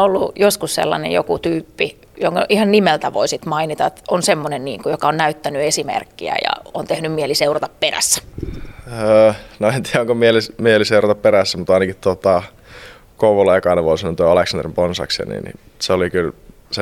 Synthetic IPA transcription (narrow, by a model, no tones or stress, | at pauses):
olːujoskussḛlːɑ̰nḛjo̰kut̪yːpːi | joŋkɑʔihɑnnimelt̪æʋo̰isit̪mɑinit̪ɑet̪onsemːonenniːŋkujokɑonnæyt̪ːænyesimḛrkːiæ̰jɑ̰ont̪ehnymmieliseurɑt̪ɑpperæ̰sːæ̥ | əːnoent̪iːæoŋkomielimieliseurɑt̪ɑpperæsːæmut̪ɑˑinɑkitt̪ot̪ɑ | kouʋolɑjkɑˑineʋoˑisɑnːont̪oeɑleksɑnd̪rimponsɑ̰ksḛnḭnḭ | seolikyl | se